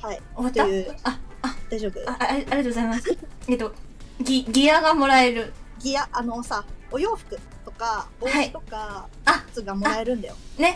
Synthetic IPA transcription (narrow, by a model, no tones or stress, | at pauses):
hai | oat̪aɯaad̪ajʑoːbɯaeaɾiat̪oɡozaimaseːt̪o̞ɡʲiɡʲiaɡamo̞ɾae̞ɾɯ̟ɡʲiaʔano̞saojo̞ːɸɯ̟̥kɯ̟ | t̪o̞kaohait̪oka | ḁt͡sɨɡamoɾae̞ɾɯ̟̃nd̪ajone̞